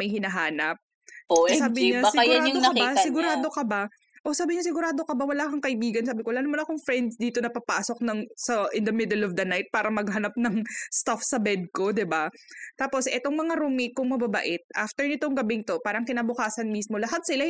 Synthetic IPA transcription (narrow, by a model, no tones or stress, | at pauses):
mɐjhɪnɐɦaːnɐp̚ | saːbɪɲassɪɡɾaːd̪okɐbasɪɡʊɾaːd̪o̞kɐba | ʔo̞saːbɪɲasɪɡʊɾaːd̪o̞kɐbawɐlaːkɐŋkɐʔɪbiːɡɐnsaːbɪkolaːnomɐnɐkoŋfɾɛnd̪sd̪iːt̪o̞nɐpɐpaːsok̚nɐŋsɐʔɪnd̪ɐmɪd̪ɛlɔvd̪ɐnajt̪̚paːɾɐmɐɡhɐnɐp̚nɐŋst̪afsɐbɛd̪̚ko̞d̪ɪbat̪aːpo̞sʔɛt̪oŋmɐŋaɾumikʊŋmɐbaba̰ʔɪt̪̚ʔa̰ft̪ɛɹnɪt̪oŋɡɐbɪŋt̪o̞paːɾɐŋkɪnaːbʊkaːsɐnmismo̞lɐɦat̪̚sɪla